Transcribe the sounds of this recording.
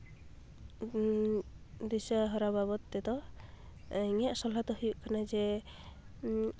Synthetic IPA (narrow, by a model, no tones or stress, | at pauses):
d̪isaɦɔɾababɔt̪̚ːɛt̪ɔ | ŋɛʔsɔlat̪ɔɦujuʔkanad͡ʒɛ